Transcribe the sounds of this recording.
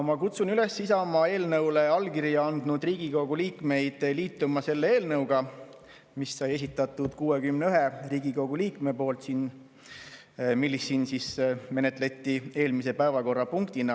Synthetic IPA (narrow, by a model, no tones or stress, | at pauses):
mɑkut̪sunyle̞sːisɑmɑe̞ːlnɤwle̞ɑlkiɾjɑɑnd̪̥nud̪riːɡ̥iko̞ɡ̥uliːkme̞jd̪̥liːt̪ːˑumɑse̞lːee̞ːlnɤwɡ̥ɑ | misːɑje̞s̬ʲit̪ːˑɑt̪ːˑud̪̥kuːwe̞kymneyɦeriːɡiko̞ɡuliːkme̞po̞ːlt̪sin | milːisːiːnsisme̞ne̞t̪ˑle̞t̪ːie̞ːlmise̞pæevɑko̞rːɑpuŋkt̪inɑ